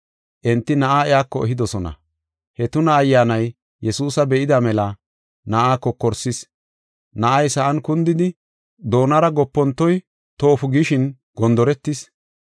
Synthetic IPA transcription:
ʔɛnt̪ːɪnɐʔaːɛjaːkːɔɛɦɪd̪ɔsɔnɐ̰ | hɛt̪ʊnɐːjːaːnɐj | jɛsuːsɐbɛʔɪd̪ɐmɛlɐ | nɐʔaːkːɔkːɔɾsɪs | nɐʔɐjsɐʔɐnkʊnd̪ɪd̪ɪ | d̪o̞ːnɐɾɐɡɔpːɔnt̪ːɔj | t̪oːfʊɡɪʃɪn | ɡ̥ɔnd̪ɔɾɛt̪ːɪs

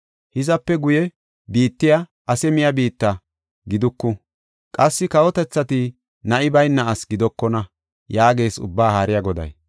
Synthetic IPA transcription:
hɪzɐpːɛɡʊjɛ | biːt̪ːɪjɐ | ɐsɛmɪjɐbiːt̪ːɐ | ɡɪd̪ʊkːʊ | kʼɐsːɪkɐwɔt̪ɛt͡sːɐt̪ɪ | nɐʔɪbɐjnːɐʔɐsɡɪd̪ɔkːɔnɐ | jaːɡe̞ːsʊ̰bːaːhaːɾɪjɐɡɔd̪ɐ̰j

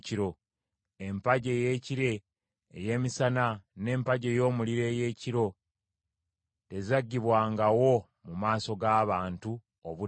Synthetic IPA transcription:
ciɾo̞ | e̞mpaɟe̞je̞ːciɾe̞ː | je̞ːmisanane̞ːmpaɟe̞jo̞ːmuliɾe̞ːje̞ːciɾo̞ | te̞zaɟːiβwaːŋɡawo̞ | mumaːso̞ɡaːβaːntu | oβu

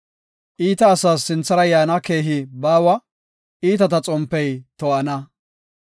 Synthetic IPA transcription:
ʔiːt̪ɐːsaːsːɪnt͡sːɐɾɐjaːnɐke̞ːɦɪbaːwɐ | ʔiːt̪ɐt̪ɐt͡sʼɔmpːɛjt̪ɔʔɐnɐ

